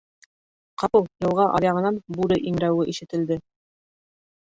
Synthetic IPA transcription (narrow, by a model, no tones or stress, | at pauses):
qɑpɤjɤ̆lˠʁɑʔɑ̰ɾjɑʁɤ̆nɑnbuɾɘʔiŋɾæwɘʔiʃɘ̆t̪ɘ̆ld̪ɘ